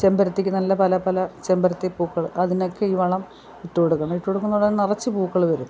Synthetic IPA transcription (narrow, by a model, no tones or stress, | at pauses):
t͡ɕembɐɾɐt̪ːikʲːɨnɐlːɐpɐlɐpɐlɐt͡ɕembɐɾɐt̪ːepuːkːɐɭʔɐðino̞kːeiːʋɐɭɐm | iʈːuoɽukːɐɳiʈːuoɽukːunːuɭɐnirɐt͡ɕːɨpuːkːɐɭʋɐɾum